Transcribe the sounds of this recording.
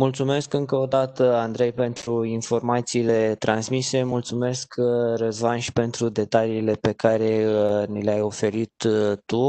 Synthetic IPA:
mult̪sume̞skɨŋkəod̪at̪əand̪ɾe̞jpe̞nt̪ɾuinfo̞rmat̪siːle̞t̪ɾʔansmise̞mult̪sume̞skrəzmanʃi̥pe̞nt̪ɾud̪e̞t̪aliːle̞pe̞kaɾe̞nileajo̞fe̞ɾit̪ːu

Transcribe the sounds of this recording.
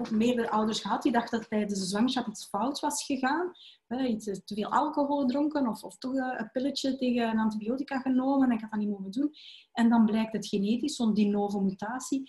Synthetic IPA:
ɔxmeːrdəɾəʔœwdərsxəɦɑt̚didɑxtdɑttɛjdəsslɑŋsɑtitsfɔwtʋɑsxəɣaːnɛistəveːlˠʔɑ̰lˠkoɦolˠdrɔŋkənɔfɔftɔxəpɪlət͡ʃəteːɣənənɑntibioːtikaɣənoːmənɛnɪkɦɑtɑnitmoːvəndun | ɛndɑnblɛjk̚tɦətxeneːtisondinoːvəmytaːsi

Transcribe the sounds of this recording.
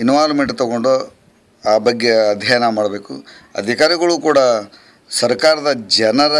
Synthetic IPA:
inʋaːɾmeɳʈt̪ɐɡoɳɖo | aːbɐɡːeɐd̪ʱjɐːjɐnɐmaːɽɐbe̞ːkṵɐ̰d̪ʱikaːɾiɡɐɭuːkuːɽɐ | sɐɾkaːɾɐd̪ɐd͡ʒɛnɐɾɐ

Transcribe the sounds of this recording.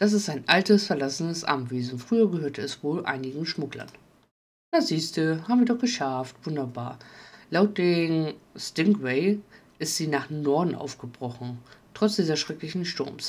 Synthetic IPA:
d̥as̬ɪstaɪnʔaltəsfɛɐlasənəsʔa̰ɐmveːzn̩fʁ̥yːɐɡəhøːɐtəɛsv̥oːlʔa̰ɪnɪɡŋ̩ʃmʊklɐ̰n | d̥asiːstəhaːbm̩viːɐdɔχɡ̥əʃaɐftv̥ʊndɐbaːɐlaʊt̚d̥eːmstɪŋkwɛɪ | ʔɪstz̥iːnaːχnɔɐdn̩ʔa̰ʊfɡ̥əbʁɔχn̩tʁ̥ɔt͡sd̥iːzɐsʃʁ̥ɛklɪçn̩ʃtʊɐms

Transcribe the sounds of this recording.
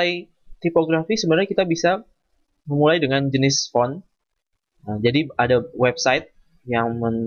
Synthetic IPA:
aj | t̪ipoɡɾafisəbənarɲakit̪abisa | məmulajdəŋand͡ʒənɪsfɔn | əd͡ʒadiadawɛbsajt̪̚ | jaŋmən

